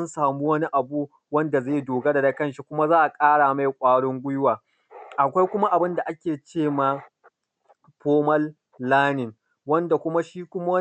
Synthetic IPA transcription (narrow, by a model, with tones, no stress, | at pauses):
nsaː˨mu˦wɐ˦ni˦ʔa˨bu˦ | wɐ˦nda˨zeː˦˨jdoː˨ɡa˦da˨da˨kɐ˦˨nʃi˦kʷʊ˦ma˦zaː˦ʔa˨kʼaː˦ɽaː˨ma˦˨jkʷʼaː˦ɽʊ˦ŋɡʷʊ˦jʊ˦waː˨ | ʔa˨kʷa˦jkʷʊ˦ma˦ʔa˨bɪ˦nda˨ʔa˦kʲeː˨t͡ʃeː˦maː˨ | ɸoː˦mɐ˦lː | aː˦nɪ˨n | wɐ˦nda˨kʷʊ˦ma˦ʃiː˦kʷʊ˦ma˦wɐ˦